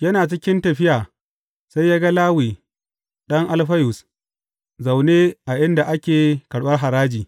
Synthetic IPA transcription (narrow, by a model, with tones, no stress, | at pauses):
jɐ˦naː˨t͡ʃɪ˦kʲɪ˦ntɐ˨ɸɪ˦jaː˨ | sa˦jːaː˦ɡa˦laː˦wiː˨ | ɗɐ˦ŋʔa˨lɸɐ˦jʊ˨s | za˨wneː˦ʔa˨ʔɪ˦nda˨ʔa˦kʲeː˨kɐ˨ɽɓɐ˦rɦa˨ɾaː˦d͡ʒiː˨